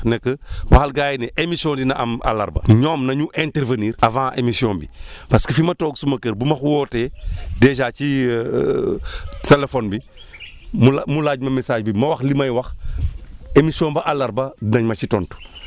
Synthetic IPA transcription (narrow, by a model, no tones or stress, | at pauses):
nɛkːəwaxalɡaːjnɛʔemisiõːndinɐʔɐ̰ma̰lɐ̰ɾbɐ̰ɲɔːmnɐɲuʔɛnteɾvəniːɾɐvãːʔemisiɔːnbipɐskəfimɐtɔːɡsumɐkəɾbumɐxwɔːtɛːdɛːʃaːci | telefɔnbi | mulmulaːɟmɐmɛsaːʃbimɐwɐxlimɐjwɐx | emisiõːnbɐʔalɐɾbɐdinɐɲmɐt͡ʃitɔntu̥